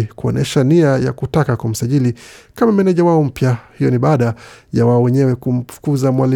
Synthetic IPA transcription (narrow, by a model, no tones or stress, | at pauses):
kuɔ̰nɛʃaniaja̰kutakakwam̩saʄilikamamɛnɛʄawaɔm̩pjahijɔniɓaːɗajawaɔwɛɲɛwɛkum̩fu̥kuzamwali